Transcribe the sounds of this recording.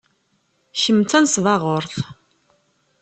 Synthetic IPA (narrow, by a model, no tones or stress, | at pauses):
çəmːt͡sːænsvɑʁʊɾθ